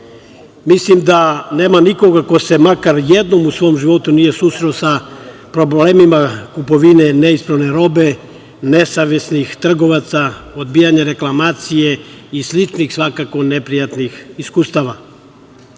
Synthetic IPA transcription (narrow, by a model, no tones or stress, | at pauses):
mislimd̪ane̞ːmaniko̞ɡako̞se̞makaɾjed̪no̞musʋo̞omʒiʋo̞t̪unije̞suːsɾelosa | pɾo̞bleːmimakupo̞ʋine̞neispɾaʋne̞ɾo̞be̞ | ne̞saʋjesnixt̪r̩ɡo̞ʋat̪saod̪bijaɲeɾe̞klˠamaːt̪sije̞islit͡ʃnixsʋakako̞nepɾijat̪nixiskust̪aʋa